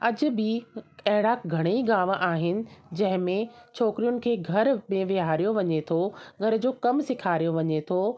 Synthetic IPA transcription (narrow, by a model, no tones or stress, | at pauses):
ɐd͡ʑʊ̆bɪkɐɦɪɽaːɡʱɐɽ̃eiɡaːʋʔaːɦɪnɪ̆d͡ʑɐ̃ɦɪ̃mẽt͡ɕʰoːkɾijʊnɪ̆kʰeːɡʱɐɾmẽʋɪɦaːɾijoʋɐɲet̪ʰoːɡʱɐɾ̆d͡ʑoːkɐmsɪkʰaːɾijoʋɐɲet̪ʰoː